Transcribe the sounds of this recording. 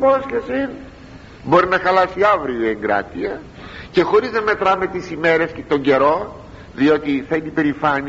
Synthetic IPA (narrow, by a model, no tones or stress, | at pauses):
posçesin | bo̞ɾinɐxɐlɐsiɐvɾioe̞ŋɡɾɐ̰t̪iɐ | ce̞xo̞ɾiznɐme̞t̪ɾɐme̞t̪isime̞ɾe̞st̪o̞ɲɟe̞ɾo̞ | ðio̞t̪iθɐinipe̞ɾifɐni